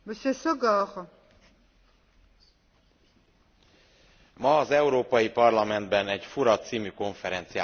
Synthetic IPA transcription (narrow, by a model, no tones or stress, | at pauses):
bəʃeʃoɡɑχ | mɒːzɛuɾoːpɒjipɒrlɒmɛnd̪bɛnɛɟfuɾɒt̪ːsiːmyko̞ɱfɛɾɛnt̪sija